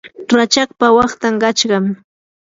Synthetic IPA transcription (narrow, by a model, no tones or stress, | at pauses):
ɾat͡ʃakpawɑχt̪amɢɑt͡ʃɢɑm